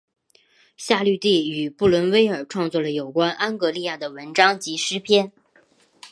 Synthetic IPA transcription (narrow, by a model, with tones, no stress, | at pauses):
ɕja˥˧ly˥˧t̪i˥˩y˨˩pu˥˩lwə˧˥nwe˥ɪə˞˨˩ʈ͡ʂʰwɑ˥˧ŋt͡swɔ˥˩lə˩jo˨˩ʊkwa˥nʔa˥nkɤ˧˥li˥˧ja˥˩d̪ə˩wə˧˥nʈ͡ʂɑ˥ŋt͡ɕi˧˥ʂɻ̩˥pʰjɛ˥˩n